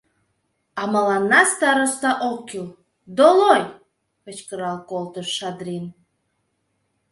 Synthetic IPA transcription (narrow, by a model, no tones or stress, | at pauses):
ɑmɑlɑnːɑst̪ɑɾost̪ɑʔokːilˠ | d̪oloj | pə̆t͡ɕkəɾɑlˠkolˠt̪əʃːɑd̪ɾʲin